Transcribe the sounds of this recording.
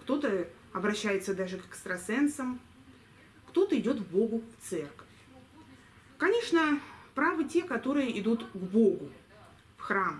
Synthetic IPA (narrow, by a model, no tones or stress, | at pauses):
kt̪o̞t̪ə | ɐbɾɐɕːæjɪt̪səd̪aʐɨkə̥st̪ɾɐsɛnsəm | kt̪o̞t̪əɪdʲo̞t̪vbo̞ɡʊft̪sɛrkə̥fʲ | kɐnʲe̞ʂnəpɾavɨtʲe̞kɐt̪o̞ɾɨjəʔɪd̪ut̪ɡbo̞ɡʊ | fxram